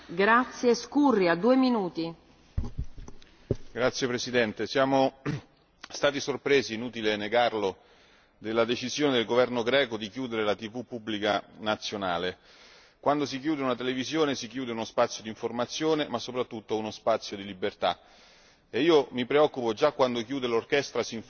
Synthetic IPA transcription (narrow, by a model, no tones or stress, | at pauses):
ɡɾat̪sːjeskurːiad̪ːuːeminuːt̪i | ɡɾat̪sːjepɾesid̪ɛnt̪esjaːmo | st̪aːt̪isorpɾeːziːnuːt̪ileneɡarlo | d̪elːad̪et͡ʃizjoːned̪elɡovɛrnoɡɾɛːkod̪ikjuːd̪eɾelat̪ivupːubːlikanat̪sːjonaːle | kwand̪osik̬juːd̪eunat̪elevizjoːnesikjuːd̪eunospat̪sːjod̪iɱformat̪sːjoːnemasːopɾat̪ːut̪ːounospat̪sːjod̪ilibːert̪a | eiːomipɾeɔkːupod͡ʒakːwand̪okjuːd̪elorkɛst̪ɾasiɱ